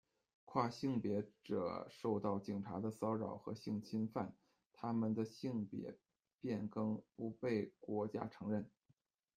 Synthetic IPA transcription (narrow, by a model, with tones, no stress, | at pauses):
kʰwa˥˩ɕi˥˧ŋpjɛ˧˥ʈ͡ʂɤ̰˨˩ʂo˥˧ʊt̪ɑ˥˩ʊt͡ɕi˨˩ŋʈ͡ʂʰa˧˥d̪ə˧sɑ˥ʊɻɑ˨˩ʊxɤ̰˧˥ɕi˥˩ŋt͡ɕʰi˥nfa˥˩n | t̪ʰa˥mə˨nd̪ə˩ɕi˥˩ŋpjɛ̰˧˥ | pjɛ˥˩nkɤ˥ŋpu˧˥pe˥˩ɪkwɔ˧˥t͡ɕja̰˥ʈ͡ʂʰɤ˧˥ŋɻə˥˩n